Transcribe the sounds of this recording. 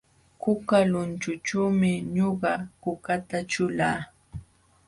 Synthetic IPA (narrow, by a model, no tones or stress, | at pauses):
kʊkalʊnt͡ʃʊt͡ʃuːmɪɲoɢɑkʊkat̪aʈ͡ʂʊlaː